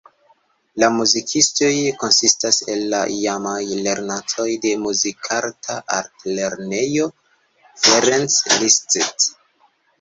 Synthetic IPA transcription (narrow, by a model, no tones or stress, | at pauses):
lamuzikʰisto̞jko̞nsistase̞lːaijamajle̞ɾnato̞jde̞muzikʰaɾtʰaʔaɾtle̞ɾne̞jo̞ | feɾenslistet